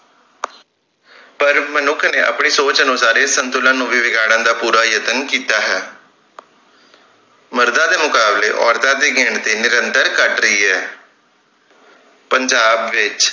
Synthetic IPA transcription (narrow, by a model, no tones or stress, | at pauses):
pəɾmənʊkʰneːʔə̰pɳiːsoːt͡ʃənũːsaːɾesənt̪ʊlãːnũːʋiːʋɪɡaːɽ̃ãːd̪aːpuːɾaːjət̪ənkiːt̪aːɦɛː | məɾd̪ãːd̪eːmʊkaːblḛːʔɔːɾt̪ãːd̪eːɡɪɳt̪iːnɪɾənt̪əɾkəʈɾəiːɦɛː | pəɲd͡ʒaːbʋɪt͡ʃ